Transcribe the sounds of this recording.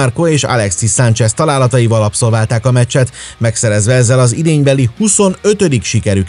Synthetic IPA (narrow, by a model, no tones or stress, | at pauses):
arkoeːʃɒ̰lɛksisant͡ʃɛst̪ɒlaːlɒt̪ɒjivɒlɒpso̞lvaːlt̪aːkɒmɛt͡ʃːɛt̪ | mɛksɛɾɛzʋɛɛzːɛlɒzid̪eːɲbɛlihuso̞nø̞t̪ø̞d̪ikʃikɛɾyk